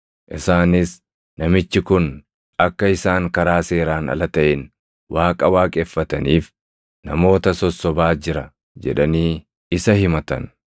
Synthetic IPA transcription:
ʔɪsaːnɪs | nɐmɪt͡ʃːɪkʊn | ʔɐkːɐɪsaːŋkɐɾaːseːɾaːnɐ̰lɐt̪ɐʔɛn | waːkʼɐwaːkʼefːɐt̪ɐniːf | nɐmo̞ːt̪ɐsɔsːɔbaːd͡ʒɪɾɐ | d͡ʒɛ̰ᶑɐniː | ɪsɐhɪmɐt̪ɐ̰n

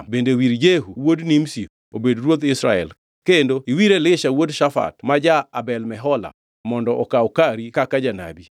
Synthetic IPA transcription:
bendewiɾd͡ʒeɦuwodnimsi | obedɾwod̪ɪsɾa̰ɛ̰l | kendoiwiɾelɪʃawodʃafa̰tmad͡ʒaabɛlmɛɦɔla̰ | mɔndɔʔɔkaɔkaɾikakad͡ʒana̰bi

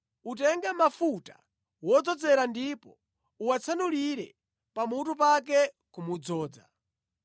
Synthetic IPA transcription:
utɛŋɡamafutḁ̰ | wɔd͡zɔd͡zɛɾandipɔ | uwat͡sʰanuliɾɛ | pamut̬up̬ak̬ɛ | kumud͡zɔːd͡za̰

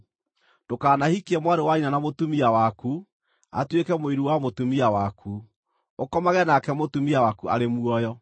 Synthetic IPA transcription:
d̥okaːnahikɛmwaɾewainanamotumiawaku | a̰twekɛmoiɾuwamotumiawakʰu | okɔmaɣɛnakɛmotumiawakua̰ɾemuɔjɔ

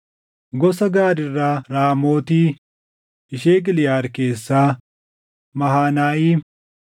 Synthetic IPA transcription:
ɡɔsɐɡaːɾɪrːaːɾaːmoːt̪iː | ɪʃeːɡɪlɪjaːɾke̞ːsːaː | mɐɦaːnaːʔiː

